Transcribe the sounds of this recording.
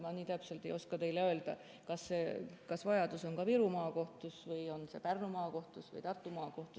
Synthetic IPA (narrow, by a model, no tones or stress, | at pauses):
mɑniːt̪æpselt̪ːˑe̞jo̞skɑt̪e̞jleøːld̪̥ɑ̰ | kɑsːe̞ːkɑsvɑjɑd̪uso̞nkɑpiɾumɑːko̞ht̪usvɯjo̞nse̞̰pærnumɑːko̞ht̪usvɯ̰jt̪ɑrt̪ːˑumɑːko̞ht̪u